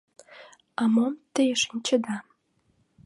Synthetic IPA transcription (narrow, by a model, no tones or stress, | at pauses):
ɑmomt̪əjəʃənʲt͡ɕə̆d̪ɑ